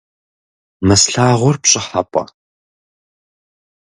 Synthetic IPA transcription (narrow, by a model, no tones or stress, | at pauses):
mɨsɬaːʁʷɔrpɕʼɪħapʼɐ̰